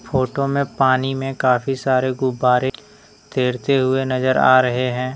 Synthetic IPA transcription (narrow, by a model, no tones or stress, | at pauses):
fʰoːʈomẽpaːnimẽkaːfisaːɾeɡʊbːaːɾe | t̪eːɾt̪eɦʊenɐzəɾa̰ːɾɐɦeɦɛ̃ː